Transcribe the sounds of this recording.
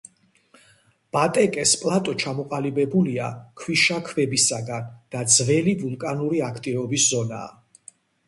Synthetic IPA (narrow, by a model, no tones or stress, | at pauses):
b̥at̪ʼɛkʼɛspʼlˠat̪ʼɔt͡ʃʰamɔqʼalibɛbulia̰kʰwiʃakʰvɛbisaɡand̪̥ad̪zvɛlivulˠkʼanuɾiakʰt̪ʼivɔbiszɔna̰ː